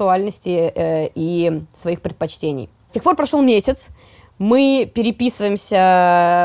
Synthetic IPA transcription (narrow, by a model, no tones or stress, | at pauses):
ʊalʲnəsʲtʲɪisvɐixpʲɾʲɪt̪̚pɐt͡ɕtʲenʲɪ̰j | sʲtʲexporpɾɐʂo̞lˠmʲesʲɪt̪s | mɨpʲɪɾʲɪpʲisɨvəjɪmsʲə